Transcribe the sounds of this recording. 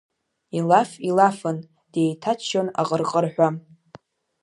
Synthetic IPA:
ilafilafɨn | d̥e̞jtʰat͡ʃʰʃona̰qʼərqʼərħᶣʷa

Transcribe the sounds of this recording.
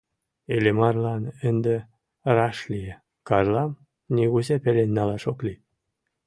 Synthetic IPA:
elʲemɑrlɑnə̆nd̪ĕ | rɑʃlʲije | kɑrlɑm | nʲiɣuzepĕlʲenʲːɑlɑʃokli

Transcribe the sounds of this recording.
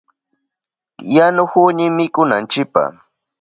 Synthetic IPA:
janʊxʊɲɪmɪkʊna̰nt͡ʃɪk̚pa̰

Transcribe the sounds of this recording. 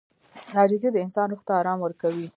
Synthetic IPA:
nɑd͡ʒɪzid̪əɪnsɑnɾʊxt̪aːɾɑmwəɾkawi

